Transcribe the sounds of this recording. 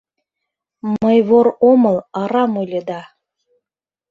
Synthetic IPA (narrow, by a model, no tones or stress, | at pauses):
məjβoɾoməlˠɑɾɑmolʲed̪ɑ